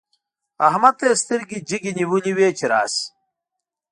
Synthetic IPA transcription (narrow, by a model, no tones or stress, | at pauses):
ɐɦmɐt̪eːst̪iɾɡid͡ʑiɡiniwuliweːt͡ɕiɾa̰ːs